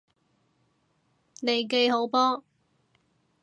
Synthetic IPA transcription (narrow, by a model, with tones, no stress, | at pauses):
ne˨˧jk̬e˧jɦo˨˥wpɔː˥